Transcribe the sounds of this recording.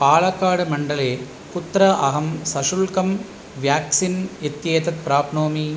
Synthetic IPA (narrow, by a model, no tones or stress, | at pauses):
paːɭɐkːaːɽɯmɐɳɖɐleː | kʊt̪ːɾɐʔɐɦɐmsɐʂʊlkɐm | ʋjaːksinɛt̪jeːt̪ɐt̪̚pɾaːpnoːmi